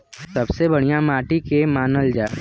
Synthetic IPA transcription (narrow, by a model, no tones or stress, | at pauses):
sɐbsebɐɽ̤ijamaːʈikemaːnəld͡ʒaː